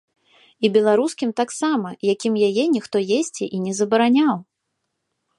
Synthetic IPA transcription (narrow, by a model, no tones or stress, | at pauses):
ibʲɛlˠaɾuskʲimt̪aksamɐjakʲimjajɛnʲixt̪ɔjesʲt͡sʲiʔinʲɛzɐbɐɾanʲaw